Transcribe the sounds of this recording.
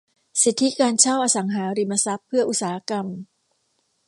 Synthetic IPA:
si˨˩t̪ʰːi˦˥kaː˧nt͡ɕʰa˥˩wʔaː˧sa˩˦ŋɦaː˩˦ɾi˧ma˧sa˦˥pʰːɯ˥˩ɐʔu˧˥t̪̚saː˨˩ha˦˥ka˧m

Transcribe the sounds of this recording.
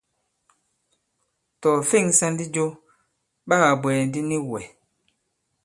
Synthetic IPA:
tɔ˨fi˦˨ŋsa˦ndi˦d͡ʒo˦ | ba˦ɣa˨bwɛ˨ndi˦ni˦wɛ˨

